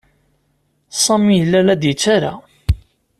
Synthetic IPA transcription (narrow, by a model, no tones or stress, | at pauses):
sˤɑmijəlːælæd̪jət͡sːaɾa̰